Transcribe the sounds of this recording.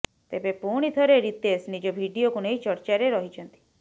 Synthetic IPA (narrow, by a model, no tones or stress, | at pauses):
t̪ebepuɽ̃it̪ʰəɾeɾit̪esnid͡ʒobʱiɖiokunejt͡ʃəɾt͡ʃaɾeɾɔɦid͡ʒənt̪i̥